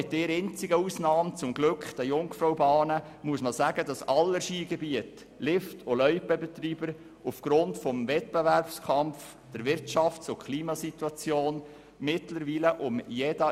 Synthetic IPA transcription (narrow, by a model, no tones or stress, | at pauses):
ɛt̪ːɪːɾɛnt͡sɪɡəusnɑːmt͡sʊmɡlɵkχd̥æjʊŋfɾɔʊbɑːnə | muəsməsæːɡədɑsɑlːəʃiːɡɛbiət | lɪftʰolœʏpəbɛtɾiːbəɾ | ufɡ̥ɾʊntfɔmvɛt̚bevæɾpskʰɑmf | d̥əɾvɪɾtt͡ʃɑftt͡sʊkʰχliːmɑsit̪wɑt͡sjoːn | mɪtləɾʋiːləʔʊmjɛdə